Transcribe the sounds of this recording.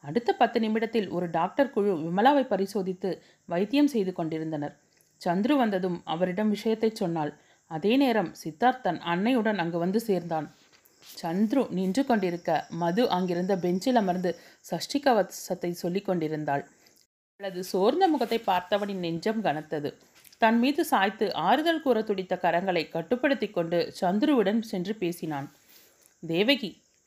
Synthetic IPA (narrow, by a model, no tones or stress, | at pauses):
ɐɽɯt̪ːɐpɐt̪ːɯnɪmɪɽɐt̪ːɪlʔɔ̰ɾɯɖaːk̚ʈɐɾkɯɻɯʋɪmɐlaːʋɐɪpːɐɾɪsoːðɪt̪ːɯ | ʋɐjt̪ːɪjɐmsɛjðɯkːɔɳɖɪɾɯnd̪ɐnɐɾ | t͡ʃɐnd̪ɾɯʋɐnd̪ɐðɯmɐ̰ʋɐɾɪɽɐmʋɪʂɐjɐt̪ːɐɪt͡ʃːɔnːaːl | ɐðeːneːɾɐmsɪt̪ːaːɾt̪ɐnɐnːɐjɯɽɐnɐŋɡɯʋɐnd̪ɯseːɾnd̪aːn | t͡ʃɐnd̪ɾɯnɪndrɯkːɔɳɖɪɾɯkːɐmɐðɯʔɐŋɡɪɾɯnd̪ɐbɛɲd͡ʒɪlɐmɐɾnd̪ɯsɐʂʈɪkːɐʋɐsɐt̪ːɐɪsɔlːɪkːɔɳɖɪɾɯnd̪aːɭ | ɐɭːɐðɯsoːɾnd̪ɐmʊɣɐt̪ːɐɪpːaːɾt̪ɐʋɐnɪnːɛɲd͡ʒɐmɡɐnɐt̪ːɐðɯ | t̪ɐnmiːðɯsaːjt̪ːɯʔaːɾɯðɐɭkuːɾɐt̪ːʊɽɪt̪ːɐkɐɾɐŋɡɐɭɐɪkɐʈːɯpːɐɽɯt̪ːɪkːɔɳɖɯt͡ʃɐnd̪ɾɯʋɪɽɐnsɛndripeːsɪnaːn | d̪eːʋɐɣi